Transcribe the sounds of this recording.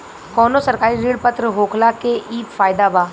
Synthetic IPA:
kɔːnosəɾkaːɾiɾeːɽpət̪ɾəɦoːkʰlakeʔiːpfaːjd̪aːbaː

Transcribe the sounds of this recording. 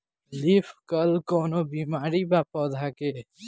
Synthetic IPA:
lifkəlkɔːnobiːmaːɾibaːpɔːd̪ʱake

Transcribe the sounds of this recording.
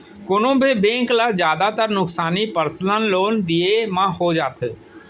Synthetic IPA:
koːnõbʱibẽːŋklad͡ʒjaːd̪at̪əɾnʊksaːnipəɾslənloːnd̪ijemãɦod͡ʒaːt̪ʰ

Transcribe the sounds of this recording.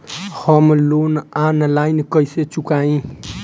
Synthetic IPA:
həmlonanlainkəjset͡ʃukaĩ

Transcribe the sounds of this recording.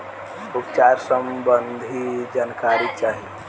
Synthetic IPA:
upt͡ʃaɾsəmbənd̪ʱid͡ʒankaɾit͡ʃaɦi

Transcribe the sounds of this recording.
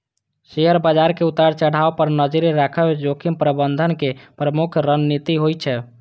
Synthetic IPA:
seɦəɾbad͡ʒaɾkeut̪aɾt͡ʃəɽ̤aopəɾnəd͡ʒɾeɾakʰəbd͡ʒokʰimpɾəbənd̪ʱənkepɾəmukʰɾənnit̪iɦojt͡ʃʰɛ

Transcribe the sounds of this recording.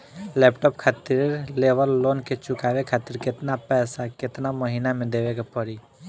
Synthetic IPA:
lɛpʈoːpkʰaːt̪ɪɾleʋəlːoːnket͡ʃʊkaʋekʰaːt̪ɪɾkɪt̪napɛːsakɪt̪naməɦinamẽd̪eʋekapəɾi

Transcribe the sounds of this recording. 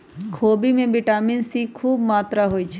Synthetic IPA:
kʰoːbimẽbɪʈaːminsikʰuːbmaːt̪ɾaɦoːit͡ʃʰe

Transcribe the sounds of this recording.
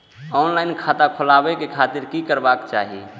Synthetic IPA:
ɔnlaɪnkʰat̪akʰolabekekʰat̪iɾkikəɾbakt͡ʃa̰ɦḭ

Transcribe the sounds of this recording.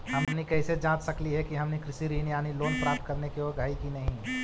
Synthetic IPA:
ɦɐmnikɛːɪsed͡ʒãːt͡ʃ̪sɐkliɦɛkiɦɐmnikɾɪsiɾiːnijaːniloːnpɾaːp̚t̪̚kɐɾnekeoːɾɡʱaːikinɐɦĩ

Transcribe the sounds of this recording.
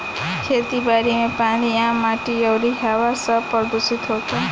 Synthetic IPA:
kʰet̪ibaɾimepaɽ̃iãmːaʈiʌwɾiɦawasʌpɾʌd̪usit̪ɦot̪ʰa

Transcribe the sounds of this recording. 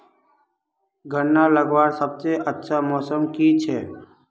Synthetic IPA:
ɡʱənːaləɡʋaːɾsəbseʔətːʃʰamɔːsəmkit͡ʃʰɛː

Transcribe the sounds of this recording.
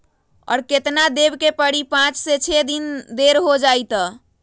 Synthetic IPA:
ɔ̰ːɾket̪nad̪ebkepəɽipãt͡ʃset͡ʃʰed̪ind̪eɾɦod͡ʒajt̪ɔ

